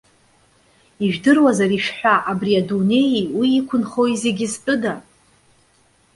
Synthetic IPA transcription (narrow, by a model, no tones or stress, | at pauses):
iʒᶣdɨrwazariʃᶣħᶣʷaʔabriadune̞jiwiːkʷʰʊnχoize̞ɡʲɪspʼʊda